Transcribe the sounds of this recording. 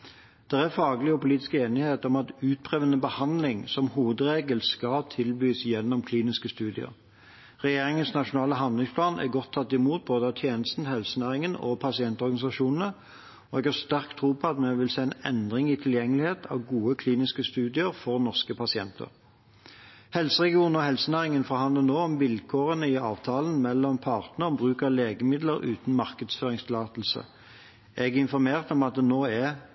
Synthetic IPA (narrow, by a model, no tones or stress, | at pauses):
d̪̥ɛʁæfɑːɡlɪɔpʊliːt̪ɪ̥skəeːnɪheːt̪ɔmɑt̪ʉːt̪̚pʰʁeːʋənəbəhɑnd̪lɪŋsɔmhuːʋəd̪ʁeːɡəlskɑt̪ʰɪlbyːsjɛnːɔmkʰliːnɪskəst̪ʉːd̪ɪə̰ʁ | ʁɛjeːʁɪŋənsnɑʂʊnɑːləɦɑndlɪŋspʰlɑːnʔæ̰ɡɔt̪ʰːɑt̪ːɪmuːt̪̚boːd̪əɑt̪ʰjeːnəst̪n̩hɛlsənæːʁɪŋənɔ̰pʰɑsɪɛnt̪ɔʁɡɑnɪsɑʂuːnn̩ə | ɔɛɡhɑʁst̪æʁkt̪ʰʁuːpʰɔɑt̪mɛʋɪlseːɪnɛ̰nd̪ʁɪŋɪt̪ʰɪljɛŋːəlɪheːt̪ʰɑ̰ʋɡuːəkʰliːnɪskəst̪ʉːd̪ɪəʁfɔʁnɔʁskəpʰɑsɪɛnt̪ʰə̰ʁ | hɛlsəʁɛɡɪuːnn̩ɔhɛlsənæːʁɪŋənfɔʁhɑnd̪lənoːɔmʋɪlkʰoːʁənəɪɑːʋt̪ʰɑːlənmɛlːɔmpʰɑːʁt̪nəɔmbʁʉːkɑleːɡəmɪd̪ləɾʉːt̪n̩mɑʁkəd̪sføːʁɪŋst̪ʰɪlɑːt̪l̩sə̰ | ʔɛɡɛɪnfɔʁmeːʁt̪ɔmɑt̪̚d̪ɛnoːɛ